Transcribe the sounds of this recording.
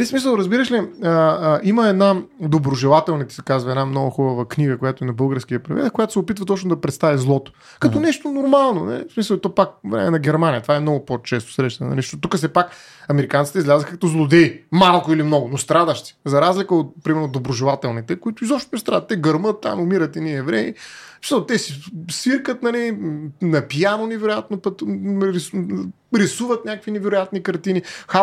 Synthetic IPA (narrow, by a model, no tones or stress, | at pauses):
ɐlismisəlˠɾɐzbiɾəʃliəiməɛd̪nad̪obɾʊʒɛlˠat̪ɛlˠnit̪ɛ̥sɛ̥kazvɐɛd̪namnɔɡʊxubəvəkniɡəkojat̪ʊɛnɐbɤlˠɡəɾsk̟iəpɾḭvɛ̰t̪koʊjat̪ʊsɛopit̪vɐt̪ɔt͡ʃnʊd̪ɐpɾɛt̪st̪avizlˠɔt̪ʊ̥ | kɐt̪ɔnɛʃt̪onʊɾmalˠnonɛ̰smisəlˠt̪ɔpak̚vɾɛ̰mɛnɐɡʲɛɾmanijət̪vaɛmnɔɡʊpot͡ʃɛst̪o̥sɾɛʃt̪ɐnɛ̰nɐ̰liʃt̪ɔt̪ukəsɛpak | ɐmɛɾikant̪sit̪izlʲazəxkɐt̪ɔzlˠʊd̪ɛimalˠkʊilimnɔɡʊnost̪ɾad̪əʃt̪si̥zɐɾazlikəot̪̚pɾimɛɾnod̪obɾʊʒɛlˠat̪ɛlˠnit̪ɛkoʊit̪ʊizɔpʃt̪onɛst̪ɾad̪ət̪ːɛɡɐɾmət̪ːa̰mʊmiɾət̪ɛniɛvɾɛiist̪ɛsisiɾkət̪nɐlinɐpijanonɛvɛɾʊjat̪nopət̪ɾi | ɾisuvət̪nʲakəkvinɛvɛɾʊjat̪nikɐɾt̪inixa